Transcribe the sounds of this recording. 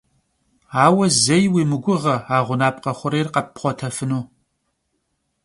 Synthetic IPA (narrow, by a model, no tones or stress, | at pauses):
aːwɐzɐjwiːmɨɡʷʊʁɐaːʁʷʊnaːp̚qɐχʷʊɾeːrqɐpχʷɔtʰɐfɨnuː